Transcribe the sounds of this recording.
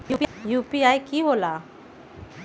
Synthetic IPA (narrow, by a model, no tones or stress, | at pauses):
upjupiajkibola